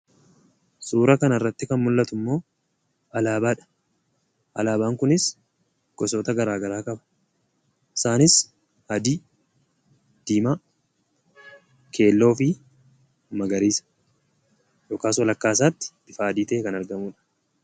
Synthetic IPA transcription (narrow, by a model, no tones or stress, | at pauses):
suːɾɐkɐnɐrːɐt̪ːɪkɐnmʊlːɐt̪ʊmːo̞ː | ʔɐlaːbaːᶑɐ̥ | ʔɐlaːbaːŋkʊnɪs | ɡ̥ɔsoːt̪ɐɡɐɾaːɡɐɾaːkʼɐbɐ̥ | ɪsaːnɪs | ɐd̪iː | d̪̥iːma | kʰe̞ːlːo̞ːfɪ | mɐɡɐɾiːsɐ̥ | joːkaːswɐlɐkːaːs̬aːt̪ːɪ̥b̥ɪfaːɐd̪iːt̪ɐʔɛkɐnɐɾɡɐmuːᶑɐ̥